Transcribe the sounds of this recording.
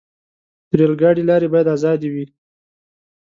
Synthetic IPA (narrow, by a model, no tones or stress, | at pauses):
t̪ɾelɡɑɽelɑɾebɑjad̪ɑzɑd̪iwi